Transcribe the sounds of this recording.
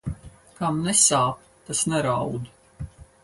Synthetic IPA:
kamnɛsaːp | t̪asnɛɾawd̪u

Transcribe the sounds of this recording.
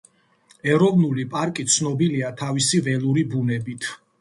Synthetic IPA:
ɛɾɔvnulipʼaɾkʼit̪sʰnɔbiliat̪ʰavisivɛlˠuɾibunɛbit̪ʰ

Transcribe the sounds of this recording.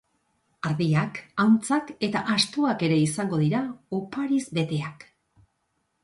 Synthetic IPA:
aɾðiakawnt͡sake̞t̪aʔast̪oake̞ɾe̞isaŋɡo̞ðiɾaopaɾizbe̞t̪e̞ak

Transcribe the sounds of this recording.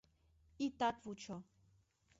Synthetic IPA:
it̪at̪vut͡ʃʰɔ

